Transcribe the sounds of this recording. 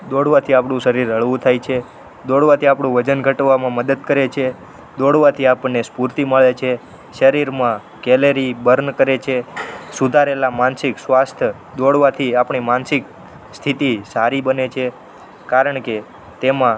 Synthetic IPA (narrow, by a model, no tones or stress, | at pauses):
d̪oɽʋat̪ʰiapɳũʃəɾiɾɦəɭʋũt̪ʰajt͡ʃʰe | d̪oɽʋat̪ʰiapɳũʋəd͡ʒənɡʱəʈʋamãməd̪əd̪kəɾet͡ʃʰe | d̪oɽʋat̪ʰiapənespuɾt̪iməɭet͡ʃʰe | ʃəɾiɾmã | kɛleɾibəɾnkəɾet͡ʃʰesud̪ʱaɾelamansɪksʋast̪ʰ | d̪oɽʋat̪ʰiapɳimansɪk̚ | st̪ʰit̪isaɾibənet͡ʃʰe | kaɾəɳke | t̪emã